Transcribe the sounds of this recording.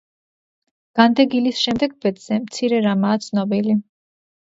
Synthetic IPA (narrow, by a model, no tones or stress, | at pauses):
ɡ̥and̪ɛɡilisʃɛmd̪ɛɡbɛt̪z̥ɛmt̪sʰiɾɛɾamaːt̪sʰnɔbili